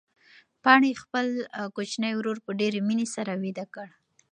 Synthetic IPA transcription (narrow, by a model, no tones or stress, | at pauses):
pɑɳexpəlkot͡ʃnəjwɾoɾpəɖeɾeminesaɾawid̪akəɽ